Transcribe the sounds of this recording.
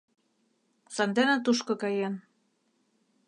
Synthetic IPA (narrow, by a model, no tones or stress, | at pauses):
sɑnd̪enæt̪̬uʃkɤ̆kɑjen